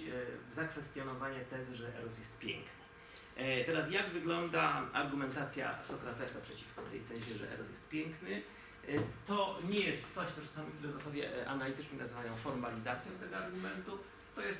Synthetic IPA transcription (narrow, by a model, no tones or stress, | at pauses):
zakfɛst̪jɔnɔvaɲɛt̪ɛzɘʐɛʔɛ̰ɾɔsjɛst̪̚pʲjɛ̰ŋknɘ | t̪ɛɾasjaɡvɘɡlɔnd̪aa̰ɾɡumɛnt̪at̪sʲja̰sɔkɾat̪ɛsapʂɛt͡ɕifkɔt̪ɛjt̪ɛʑɛʐɛ̰ʔɛ̰ɾɔsjɛst̪̚pʲjɛŋknɘ | t̪ɔɲɛjɛst̪t̪sɔɕt̪sɔt͡ʂḁsamʲifʲilɔzɔfɔvʲjɛ̰ʔa̰nalʲit̪ɘt͡ʂɲɘnazvajɔ̃w̃fɔɾmalʲizat̪sʲjɔ̃w̃t̪ɛɡɔaɾɡumɛnt̪u | t̪ɔjɛs